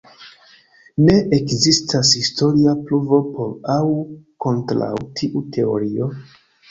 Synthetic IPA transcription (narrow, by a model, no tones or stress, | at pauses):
ne̞ʔekzistʰashisto̞ɾiapluvo̞po̞ɾawko̞ntɾa̰wtʰiʔutʰe̞o̞̰ɾio̞